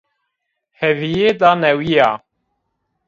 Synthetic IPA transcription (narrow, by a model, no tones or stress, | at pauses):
hɛvijeːd̪ɑːnɛwijaː